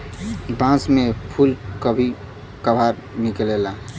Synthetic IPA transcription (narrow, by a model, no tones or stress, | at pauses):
bãsmepʰulkəbʱi | kəbʱaɾniklela